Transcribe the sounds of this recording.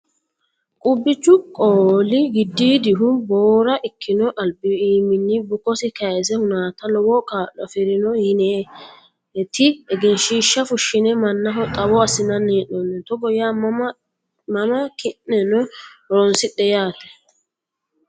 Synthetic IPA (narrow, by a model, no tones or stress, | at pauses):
kʼʊbːɪt͡ʃːʊkʼoːlɪɡɪd̪ːiːd̪ɪɦʊboːɾɐʔɪkʰːɪnɔʔɐlbɪiːmɪnːɪbʊkːɔsɪkɐjɛs̬ɛhʊnaːt̪ɐlɔwɔkʼaːlːɔfɪɾɪnɔjɪneː | ɛt̪ɪɛɡɛnʃiːʃːɐfʊʃːɪnɛmɐnːɐɦɔt̪ʼɐwɔɐsɪnɐnːeːʔnɔnːɛt̪ɔɡɔjaːm | mɐmɐkɪnːɛnɔɾɔnsɪt̪ːɛjaːt̪ɛ̥